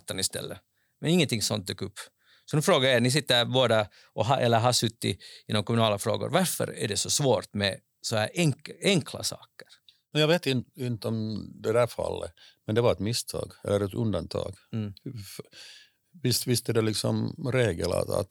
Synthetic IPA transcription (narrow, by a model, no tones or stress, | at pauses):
t̪ːənɪst̪ɛ̰lːə | mɛnɪŋːənt̪ʰɪŋsɔnt̪̚d̪ʉːkːɵpː | sɔnʉfɾoːɡajenɪs̬ɪt̪ːəɾboːd̪a | ʔɔɦɑʔɛlːəɾɦasɵt̪ːɪɪnɔmkʰɔmʉnɑːlafɾoːɡʊ̰ɾvaɾfœ̰ɾæ̰ɖɛsɔsvoːɾt̪mɛ | sɔhæːɾʔɛŋɛŋkʰla̰sɑ̰ːkə̥ɾmɛnjɑːɡveːt̪ɪnɪnt̪əɔmd̪ɛd̪æɾfa̰lːə̰mɛnd̪ɛvaɾɛt̪mɪst̪ʰɑ̰ːɡɛ̰lːəɾɛt̪ɵnd̪ant̪ʰɑ̰ːɡ̥ | f | vɪst̪vɪst̪əd̪ɛlɪksɔmɾeːɡəla̰a̰t̪